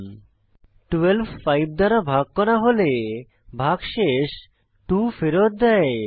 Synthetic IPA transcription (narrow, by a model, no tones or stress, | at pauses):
ʈuelbfajb̚d̪aɾabʱaɡ̚kɔɾaɦole | bʱaɡʃeʃ | ʈufeɾot̪̚d̪ɛe